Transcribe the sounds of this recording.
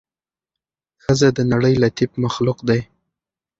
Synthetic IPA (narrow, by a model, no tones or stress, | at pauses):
xəzad̪ənaɽəjlat̪ibmaxlʊqd̪aj